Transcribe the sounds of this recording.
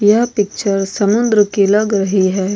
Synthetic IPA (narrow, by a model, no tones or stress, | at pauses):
jɐpɪk̚t͡ʃəɾsɐmund̪ɾəkelaɡɾəɦiɦɛ